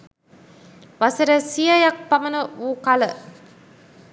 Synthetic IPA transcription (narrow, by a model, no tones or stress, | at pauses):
ʋasəɾəsijajak̚pamənəʋuːkalə